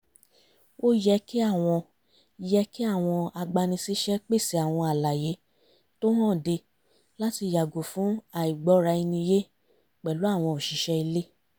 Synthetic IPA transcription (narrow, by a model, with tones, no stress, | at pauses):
wo˦jɛ˦ki˦a˦˨w̃ɔ̃˧ | jɛ˦ki˦a˦˨w̃ɔ̃˧a˧ɡ͡ba˧nĩ˧si˦ʃɛ˦k͡pe˦˨si˨˦a˨w̃ɔ̃˧a˨la˨je˨˦ | to˦hã˦˨de˧ | la˦ti˧˨ja˨ɡo˨fũ˨˦a˨i˨ɡ͡bɔ˨˦ɾa˧i˧nĩ˧je˦ | k͡pɛ˨lu˨˦a˦˨w̃ɔ̃˧o˨ʃi˨˦ʃɛ˦i˧le˦